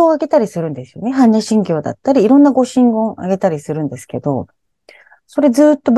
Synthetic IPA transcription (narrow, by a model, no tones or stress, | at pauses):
oːaɡe̞t̪aɾʲisɨɾɯ̟̃nd̪e̞sɨ̥jo̞neɦãɲːaɕĩŋɡʲo̞ːd̪a̰t̪ːaɾʲiːɾõ̞nːaɡo̞ɕĩŋɡõ̞ŋa̰ɡe̞t̪aɾʲisɨɾɯ̟̃nd̪e̞sɨ̥ke̞d̪o̞̰ | so̞ɾe̞d͡zɨːt̪ːo̞b